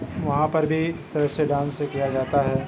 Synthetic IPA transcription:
ʋɐɦãpɐɾbʱiɪst̪ɐɾəseɖãːnsekijad͡ʒaːt̪aɦɛː

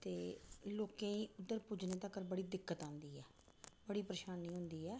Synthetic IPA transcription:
t̪eːloːkẽːĩːʊd̪ːəɾpʊd͡ʒneːt̪akəɾbəɽiːd̪ɪkːət̪ãːnd̪iːɛː | bəɽiːpɾəʃaːniːɦʊ̃nd̪iːɛː

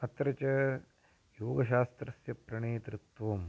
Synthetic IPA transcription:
ɐt̪ɾɐt͡ʃɐ | joːɡɐʃaːst̪ɾɐsjɐpɾɐɳeːt̪ɾut̪ʋɐm

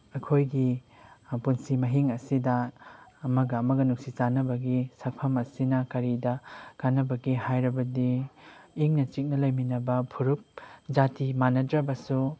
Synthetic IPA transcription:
ɐkʰojɡi | punsimɐɦiŋɐsidɐː | mɐɡɐːmɐɡɐnuksit͡ʃanɐbɐɡisɐk̚pʰɐmɐsinɐkɐɾidɐkanːɐbɐɡihajɾɐbɐdiː | ŋnɐt͡ʃik̚nɐlɐjminɐbɐpʰuɾup̚d͡ʒatimanɐdɾɐbɐsu

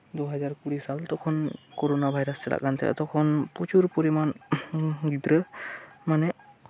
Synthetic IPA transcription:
d̪uɦad͡ʒaɾkuɽisalt̪ɔkʰɔnkoɾonabʱajɾast͡ʃɛla̰ʔkant̪ɛ̰ʔa̰t̪ɔkʰɔnpɔt͡ʃuɾpɔɾiman | ɡid̪ɾəmanɛ

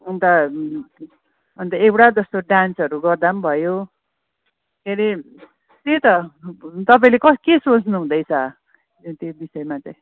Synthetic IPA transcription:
unt̪ʌ | ʌnt̪ʌewʈad͡zʌst̪oɖansʌɾuɡʌrd̪ambʱʌjo | keɾi | t̪et̪ʌt̪ʌpaĩlekʌkesot͡snuɦũd̪ʌjt͡sʰʌ | t̪ebisʌjmat͡saj̃

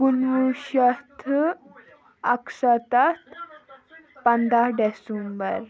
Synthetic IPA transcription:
ɡunʋuɕəst̪ʰ | əksat̪at̪ | pənd̪aɖɛsumbəɾ

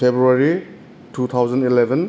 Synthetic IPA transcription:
ebɾuaɾi | tut̪ʰawzandilebɛn

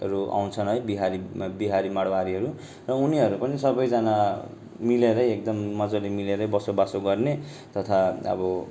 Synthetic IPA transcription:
ɾua̰w̃nt͡sʰʌnɦʌjbiɦaɾibiɦaɾimaɽwaɾiɦʌɾu | rʌuniɦʌɾupʌnisʌbʌjd͡zana | mileɾʌjek̚d̪ʌmːʌd͡zolimileɾʌjbʌsobasoɡʌrne | t̪ʌt̪ʰaʌ̰bʌ

